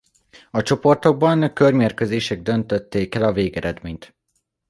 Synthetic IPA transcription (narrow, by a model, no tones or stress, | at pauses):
ɒt͡ʃo̞po̞rt̪o̞ɡ̚bɒnkørmeːrkøzeːʃɛɡ̚d̪ø̞nt̪øt̪ːeːkɛlɒveːɡɛɾɛd̪meːɲt̪